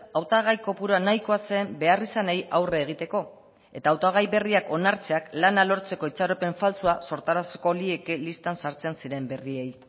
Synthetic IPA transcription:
awt̪aɣ̞ajko̞puɾoanajko̞ase̞mbe̞arisane̞jawreːɣ̞it̪e̞ko̞ | e̞t̪aːwt̪aɣ̞ajβe̞riako̞naɾt͡se̞aklanalo̞ɾt͡se̞ko̞it͡saɾo̞pe̞ɱfalt͡suaso̞ɾt̪aɾase̥ko̞lie̞kelist̪ansaɾt͡sensiɾe̞mbe̞rie̞j

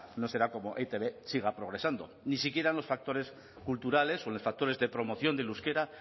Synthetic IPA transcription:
no̞se̞ɾako̞mo̞ʔet̪eβesiɣ̞apɾo̞ɣɾe̞sand̪o̞̰ | nisikje̞ɾanlo̞sfak̚t̪o̞ɾe̞s | kult̪uɾale̞solo̞sfak̚t̪o̞ɾe̞zðe̞pɾo̞mo̞θjo̞nd̪eluske̞ɾa

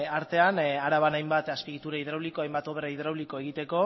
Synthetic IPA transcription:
aɾt̪e̞anaɾaβ̞anajmbat̪aspiɣit̪uɾaiðɾawlikoajmbat̪o̞βeɾaiðɾawliko̞e̞ɣit̪e̞ko̞

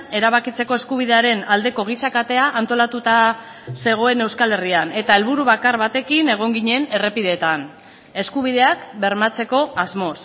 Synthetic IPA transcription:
e̞ɾaβakit͡se̞ko̞e̞skuβ̞iðe̞aɾe̞nald̪e̞ko̞ɣ̞isakat̪e̞aʔːnt̪o̞lat̪ut̪a | se̞ɣ̞o̞e̞ne̞wskale̞riane̞t̪ae̞lβuɾuβakarβat̪e̞kine̞ɣ̞o̞ŋɡiɲe̞ne̞re̞piðe̞t̪an | e̞skuβ̞iðe̞akbe̞ɾmat͡se̞ko̞azmo̞s

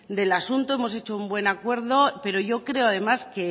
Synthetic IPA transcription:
d̪e̞lasunt̪oe̞mo̞se̞t͡ʃoumbwe̞nakwe̞ɾðo̞pe̞ɾo̞ʝo̞kɾe̞oaðe̞maske̞

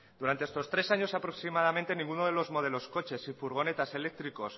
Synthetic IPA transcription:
d̪uɾant̪eest̪o̞st̪ɾe̞saɲo̞sapɾo̞ksimaðamẽnt̪e̞nĩŋɡunoðe̞lo̞zmo̞ð̞e̞lo̞sko̞t͡ʃe̞sifuɾɣ̞o̞ne̞t̪ase̞le̞k̚t̪ɾiko̞s

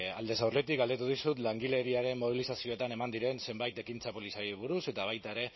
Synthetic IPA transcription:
a̰ld̪e̞sawre̞t̪ikɡald̪et̪uðisut̪laŋɡile̞ɾiaɾe̞mmoβ̞ilisasio̞et̪ane̞mand̪iɾe̞nse̞mbajt̪e̞kint͡sapo̞lisaɾiβ̞uɾuse̞t̪aβ̞ajt̪aeɾe̞

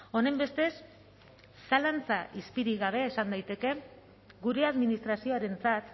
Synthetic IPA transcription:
o̞ne̞mbe̞st̪e̞sː | alant͡saʔispiɾiɣaβ̞e̞ːsand̪ajt̪e̞ke̞ | ɡuɾe̞aðminist̪ɾasio̞aɾe̞nt͡sat̪

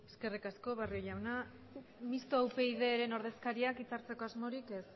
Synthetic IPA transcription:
e̞ske̞rikasko̞βarioʎawna | mist̪oawpe̞iðe̞ːɾe̞no̞ɾð̞e̞skaɾiakit͡saɾt͡se̞ko̞azmo̞ɾike̞s

